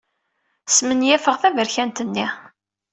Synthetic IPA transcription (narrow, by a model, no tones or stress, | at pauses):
smənjæfəʁθævəɾçænt̪ənːi